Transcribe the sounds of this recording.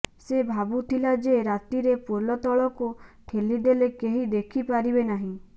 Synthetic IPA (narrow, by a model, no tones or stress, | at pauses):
sebʱabut̪ʰilad͡ʒeɾat̪iɾepolɔt̪ɔɭɔkuʈʰeliɖelekeɦid̪ekʰipaɾibenaɦĩ